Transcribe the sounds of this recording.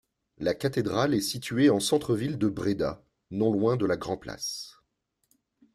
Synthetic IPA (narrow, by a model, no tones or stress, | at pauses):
lakat̪ed̪ʁalɛsit̪ɥeɑ̃sɑ̃t̪χəvild̪əbʁed̪a̰ | nɔ̃lwɛ̃d̪əlaɡʁɑ̃pla̰s